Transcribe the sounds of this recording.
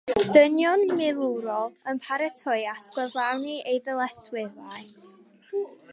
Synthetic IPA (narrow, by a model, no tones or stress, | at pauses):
d̥ənjɔnmɪlˠuɾɔlˠənpʰaɾɛtʰɔjaskwɛvlˠawniʔejðəlˠɛswɪðaj